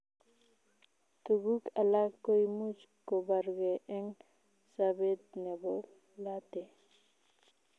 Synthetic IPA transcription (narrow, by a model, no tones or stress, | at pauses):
t̪uɡukalakːojmut͡ʃkobaɾɡeʔeŋ | sabed̪nebo | lat̪e